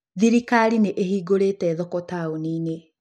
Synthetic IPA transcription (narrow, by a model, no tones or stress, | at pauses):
ðiɾikaɾineʔehiːɡoɾeːtɛðɔkɔtaoniːne